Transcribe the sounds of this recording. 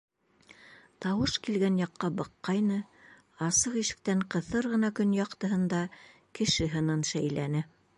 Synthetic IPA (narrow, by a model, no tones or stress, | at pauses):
t̪ɑwɤʃkilɡænjɑqːɑbɤqːɑjnɤ | ɑsɤqiʃɘ̥̆k̚t̪æɴqɤ̆θɤɾʁɤ̆nɑkɵnjɑqt̪ɤ̆ɦɤ̆nd̪ɑ | kɘ̆ʃɘɦɤ̆nɤnʃæjlænɘ